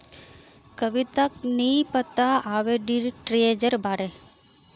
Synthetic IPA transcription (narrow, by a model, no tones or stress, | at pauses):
kəʋit̪aknipət̪aaʋeɖiɾʈɾed͡ʒəɾbʱaɾe